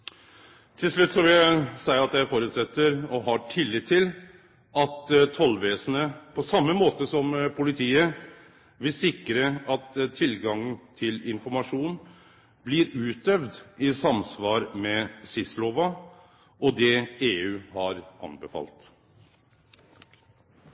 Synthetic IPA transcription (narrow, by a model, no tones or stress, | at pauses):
t̪ʰɪlʂɭʉt̪ːsɔʋɪlæsæɪəɾɑt̪jæɪfoːɾʉt̪sɛt̪ːəɾɔɦɑʈʰɪlːɪt̪ʰːɪl | ɑt̪t̪ʰːɔlʋeːsənəpʰɔsɑmːəmoːt̪əsɔmpʰʊlɪt̪ʰiːə | ʋɪsɪkɾəɑt̪t̪ʰːɪlɡɑŋənt̪ʰɪlɪnfɔɾmɑʂuːn | blɪɾʉːt̪̚d̪œʋd̪ɪsɑmsʋɑːɾmɛsɪsloːʋɑ | ʔɔd̪ɛeːʉːhɑɾʔɑ̰nbəfɑ̰lt̪